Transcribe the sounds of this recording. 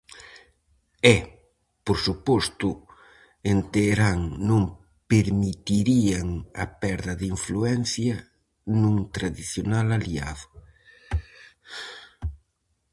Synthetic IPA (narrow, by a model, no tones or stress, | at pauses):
ɛ | poɾsupɔst̪ʊ | ent̪eɾaŋnõŋ | peɾmit̪iɾiaŋɐ̰pɛɾðɐðiɱfluɛn̟θjɐ | nũŋt̪ɾaðiθjonalaliaðʊ